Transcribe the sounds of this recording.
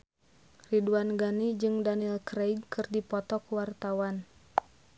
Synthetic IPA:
riduanɡanid͡ʒɨŋdanilkɾejɡkɨrdipɔt̪ɔkuwart̪awan

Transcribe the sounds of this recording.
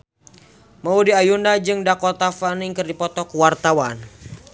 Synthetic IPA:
maudiajundad͡ʒɨŋdakɔt̪afaniŋkərdipɔt̪ɔkuwart̪awan

